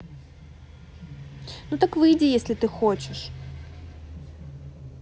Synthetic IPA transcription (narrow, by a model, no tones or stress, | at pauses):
nut̪akvɨjdʲɪjesʲlʲɪt̪ɨxot͡ɕɪʂ